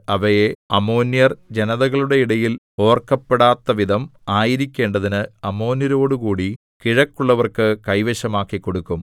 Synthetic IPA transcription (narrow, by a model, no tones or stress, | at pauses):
ɐʋɐjeɐmo̞ːnːjɐrd͡ʑenɐðɐɣɐɭuɽe̞iɽɐjil | o̞ːrkɐpːe̞ɽaːt̪ːɐʋid̪ʱɐmaːjiɾikʲːe̞ːɳɖɐðinɨɐmo̞ːnjɐɾo̞ːɽukuːɽi | kiɻɐkːuɭːɐʋɐrkɨkɐjʋeɕɐmaːkːikːo̞ɽukːum